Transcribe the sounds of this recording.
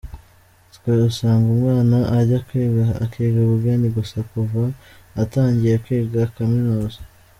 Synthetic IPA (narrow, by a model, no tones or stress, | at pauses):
tkweusaːŋɡumŋaːnaʔaɟakweːɡakeːɡauβuɡaniɡusakuvaː | taːɲɟijekwiːɡakaminuːzḁ